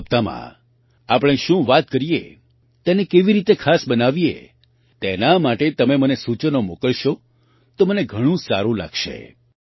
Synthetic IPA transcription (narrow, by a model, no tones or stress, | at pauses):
p̚t̪amã̰ | apɽ̃ẽʃũʋat̪kəɾijḛ | t̪enekeʋiɾit̪ekʰasbənaʋiḛ | t̪enamaʈet̪əmemənesut͡ʃənomokəɭʃo | t̪oməneɡʱəɽ̃ũsaɾũla̰ɡʃḛ